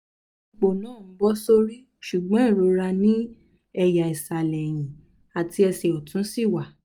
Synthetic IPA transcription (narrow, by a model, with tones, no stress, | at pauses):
k͡po˨nãː˦˨˦bɔ˦so˦ɾi˦ | ʃu˨ɡ͡bɔ̃˨˦ĩ˦˨ɾo˨˧ɾa˧nĩ˦ | ɛ˧ja˨i˨sa˨lɛ˨j̃ĩ˨ | a˨ti˧ɛ˧sɛ˨ɔ˨tũ˨˦si˦˨wa˨